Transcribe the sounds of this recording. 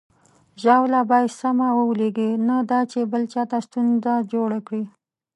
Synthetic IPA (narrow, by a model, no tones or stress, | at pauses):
ʒawlabɑjsamawəwleɡenad̪ɑt͡ʃebəlt͡ʃɑt̪aʃt̪unzad͡ʒoɽakɽi